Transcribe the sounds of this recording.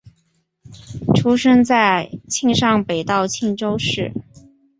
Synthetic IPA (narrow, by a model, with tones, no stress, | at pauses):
ʈ͡ʂʰu˥ʂɤ˥ŋt͡sa˥˧ɪt͡ɕʰi˥˧ŋʂɑ˥˩ŋpe˨˩ɪt̪ɑ˥˩ʊt͡ɕʰi˥˧ŋʈ͡ʂo˥ʊʂɻ̩˥˩